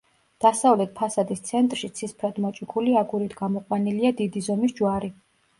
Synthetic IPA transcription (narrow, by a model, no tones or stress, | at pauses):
d̪̥asavlɛt̪̚ʰpʰasad̪ist̪sʰɛnt̪ʼɾʃit̪sʰispʰɾad̪mɔt͡ʃʼikʰuliaɡuɾit̪ʰɡamɔqʼwaniliad̪id̪izɔmisd͡ʒwaɾi